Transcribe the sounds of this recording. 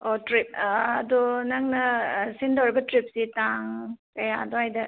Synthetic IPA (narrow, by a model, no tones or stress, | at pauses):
otɾip̚ɐdunɐŋnɐsindawɾibɐtɾip̚sitaŋkɐjaɐdoajdɐ